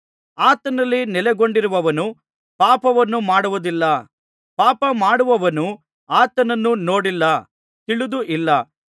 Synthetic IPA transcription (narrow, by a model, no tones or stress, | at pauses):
aːt̪ɐnɐlːinɛlɛɡo̞ɳɖiɾuʋɐʋɐnu | paːpɐʋɐnːumaːɽuʋud̪ilːɐ | paːpɐmaːɽuʋɐʋɐnu | aːt̪ɐnɐnːuno̞ːɽilːɐ | t̪iɭud̪uʔilːɐ